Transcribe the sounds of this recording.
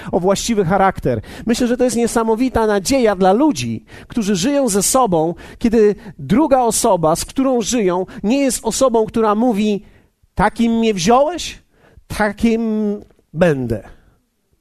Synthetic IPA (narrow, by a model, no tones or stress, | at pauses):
ɔvwaɕt͡ɕivɘxaɾakt̪ɛɾmɘɕlɛʐɛt̪ɔjɛst̪ɲɛsamɔvʲit̪anad͡ʑejad̪lalud͡ʑi | kt̪uʐɘʐɘjɔ̃w̃zɛsɔbɔ̃w̃kʲɛd̪ɘd̪ɾuɡaɔsɔbaskt̪uɾɔ̃w̃ʐɘjɔ̃w̃ɲɛjɛst̪ɔsɔbɔ̃w̃kt̪uɾamuvʲi | t̪akʲimːɲɛvʑɔwɛɕ | t̪ʰakʲim | bɛnd̪ɛ